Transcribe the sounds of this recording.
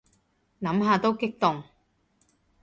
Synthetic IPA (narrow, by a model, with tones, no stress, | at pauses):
nɐ˨˥mɦaː˧t̪o˥wkɪ˥k̚t̪ʊ˨ŋ